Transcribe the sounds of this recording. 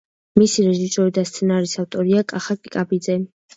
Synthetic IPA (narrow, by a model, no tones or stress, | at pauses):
misiɾɛʒisɔɾid̪ast̪sʰɛnaɾisaft̪ʼɔɾiakʼaχakʼikʼabid̪zɛ